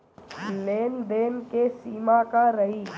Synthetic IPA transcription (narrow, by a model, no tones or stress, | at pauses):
leːnd̪eːnkesiːmakaɾəɦiː